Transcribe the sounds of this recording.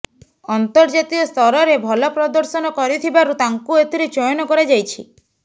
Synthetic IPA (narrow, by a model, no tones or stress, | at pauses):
ɔnt̪ɔɾd͡ʒat̪iɔst̪ʰɔɾɔɾebʱɔlɔpɾɔd̪ɔɾsɔnɔkɔɾit̪ʰibaɾut̪aŋkuet̪iɾit͡ʃɔjɔnɔkɔɾed͡ʒajt͡ʃʰḭ